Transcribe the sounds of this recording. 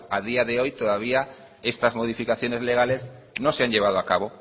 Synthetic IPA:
aðiaðeojt̪oðaβia | est̪ɐzmoð̞ifikaθjonezleɣ̞alesnõnseanʎeβ̞að̞oakaβ̞o

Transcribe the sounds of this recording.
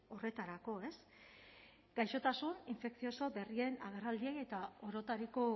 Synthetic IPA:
o̞re̞t̪aɾako̞e̞s | ɡ̥ajʃo̞t̪asuniɱfe̞ksio̞so̞be̞rie̞naɣ̞erald̪ieje̞t̪ao̞ɾo̞t̪aɾiko̞

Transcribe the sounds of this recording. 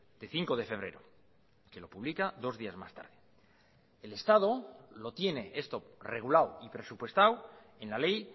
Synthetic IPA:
d̪̥e̞θiŋko̞ð̞e̞fe̞β̞ɾe̞ɾo | ke̞lo̞puβlikaðo̞zðiazma̰st̪a̰ɾðe | ele̞st̪að̞o̞lo̞t̪je̞ne̞e̞st̪o̞re̞ɣ̞ulawipɾe̞supwe̞st̪aw | e̞nlale̞j

